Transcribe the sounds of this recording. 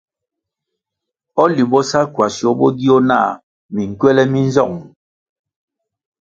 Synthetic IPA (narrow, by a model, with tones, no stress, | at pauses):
ɔ˦li˨bɔ˦sa˦kwa˨sjo˨˦bɔ˦di˦o˦na̰ː˦˨ | mi˨ŋ̩˨kɥɛ˦lɛ˦mi˦n˦zɔ̰˦˨ŋ˨